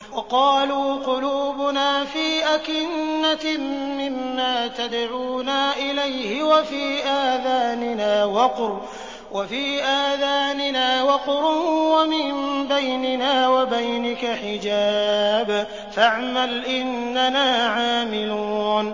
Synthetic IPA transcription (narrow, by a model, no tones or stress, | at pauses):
wɑqɑːluːqʊluːbʊnaːfiːʔakɪnːamɪmːaːt̪ad̪ʕuːnaːʔɪlajhɪwafiːʔaːðaːnɪnaːwɑqɾ | wafiːʔaːðaːnɪnaːwɑqɾʊwamɪmbajnɪnaːwabajnɪkaħɪd͡ʒaːb | faʕmalʔɪnːanaːʕaːmɪlun